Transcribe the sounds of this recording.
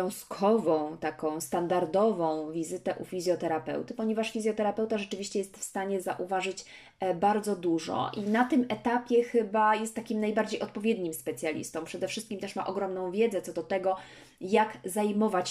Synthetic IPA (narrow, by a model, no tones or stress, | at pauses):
ɔ̃w̃skʰɔvɔ̃w̃t̪akɔ̃w̃st̪and̪aɾd̪ɔvɔ̃w̃vʲizɘt̪ɛʔufʲizʲjɔt̪ɛɾapɛ̰wt̪ɘpɔɲɛvaʂfʲizʲjɔt̪ɛɾapɛwt̪aʐɛt͡ʂɘvʲiɕt͡ɕɛjɛst̪fst̪aɲɛza̰ʔuvaʐɘt͡ɕ | baɾd̪zɔd̪uʐɔ̰ʔinat̪ɘmɛt̪apʲjɛxɘbajɛst̪ːakʲimnajbaɾd͡ʑejɔt̪̚pɔvʲjɛd̪ɲimspɛt̪sʲjalʲḭst̪ɔ̃mpʂɛd̪ɛfʂɘst̪kʲimt̪ɛʂma̰ʔɔɡɾɔmnɔ̃w̃vʲjɛd̪zɛt̪sɔd̪ɔt̪ɛɡɔ | jakzajmɔvat͡ɕ